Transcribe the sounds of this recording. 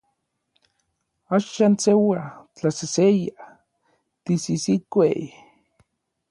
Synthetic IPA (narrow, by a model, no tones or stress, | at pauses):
aʃansewat͡ɬaseseja | t̪isisikʷe